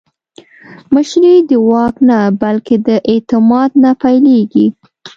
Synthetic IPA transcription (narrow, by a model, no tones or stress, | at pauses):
məʃɾid̪əwɑknabalked̪əʔet̪ɪmɑd̪̚napajleɡi